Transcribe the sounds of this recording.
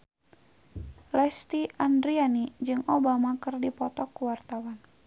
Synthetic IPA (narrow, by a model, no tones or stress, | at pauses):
lɛst̪iʔandɾianid͡ʒɨŋʔɔbamakɨrdipɔt̪ɔkuwart̪awan